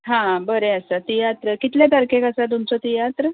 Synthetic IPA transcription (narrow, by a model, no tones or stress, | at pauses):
ɦãbəɾeəsat̪ijat̪ɾəkit̪lẽd̪aɾkʰẽkəsad̪umt͡sɔt̪ijat̪ɾə